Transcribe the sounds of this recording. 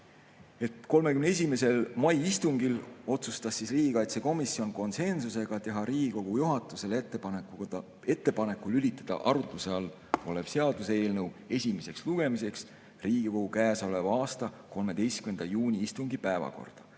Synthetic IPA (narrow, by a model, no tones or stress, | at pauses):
e̞t̪ko̞lmekymnees̬ʲime̞se̞lmɑjist̪uŋɡilo̞t̪sust̪ɑsːisriːɡ̥ikɑjt̪seko̞misːio̞nko̞nse̞nsuse̞ɡ̥ɑt̪e̞ɦɑɾiːɡ̥iko̞ɡ̥ujuɦɑt̪ːˑuse̞l | e̞t̪ːˑe̞pɑnekːˑulylʲit̪ːˑɑd̪̥ɑ̰ʔɑɾut̪ˑluse̞ɑlː | o̞le̞b̥se̞ɑd̪̥use̞ːlnəwe̞sʲimese̞ksluɡ̥e̞mise̞ks | riːɡ̥iko̞ɡukæːso̞levɑːst̪ɑ | ko̞lme̞d̪̥e̞jst̪kymend̪̥ɑjuːnʲiist̪uŋɡ̥ipæevɑ̰ko̞̰rd̪̥ɑ̥